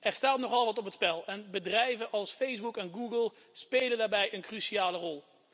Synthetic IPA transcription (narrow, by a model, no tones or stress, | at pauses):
ʔɛɹstaːtnɔχɑlˠʋɑtɔpətspɛlˠɛnbədrɛjvənʔɑlˠsfejzbukɛnɡuɡəlˠ | spejləndaːɹbɛjənkrysiaːlərɔlˠ